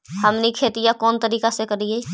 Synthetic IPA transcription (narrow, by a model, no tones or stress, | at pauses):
hɐmnikʰeːt̪ɪjakɔːnt̪əɾiːkasekɐɾie